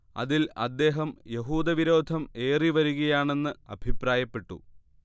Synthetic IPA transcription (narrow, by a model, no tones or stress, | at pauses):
ɐ̰ðilɐ̰d̪ːe̞ːɦɐmje̞ɦuːd̪ɐʋiɾo̞ːd̪ʱɐme̞ːriʋɐɾuɣɐjaːɳe̞nːɨɐ̰bʱipraːjɐpːe̞ʈːṵ